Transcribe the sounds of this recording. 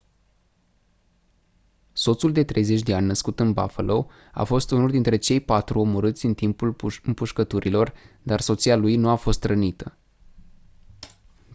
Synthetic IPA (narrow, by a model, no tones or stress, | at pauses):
so̞t̪suld̪e̞t̪ɾe̞jze̞t͡ʃʲd̪e̞anʲnəskut̪ɨnba̰fəlo̞ | a̰fo̞st̪unuld̪int̪ɾe̞t͡ʃe̞jpat̪ɾuo̞mo̞ɾɨt̪sʲɨnt̪impulɨmpuʃkət̪uɾilo̞rd̪arso̞t̪sialujnuafo̞st̪rənit̪ə